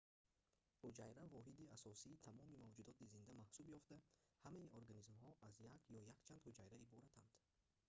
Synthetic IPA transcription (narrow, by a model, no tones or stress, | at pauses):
hud͡ʒajɾavɔɦid̪iasɔsiːt̪ʰamɔmimavd͡ʒud̪ɔt̪izind̪amahsubjɔft̪ahamaiʔoɾɡanizmhɔʔazjakʰjɔjakt͡ʃʰand̪hud͡ʒajɾaibɔɾat̪ʰand̪̥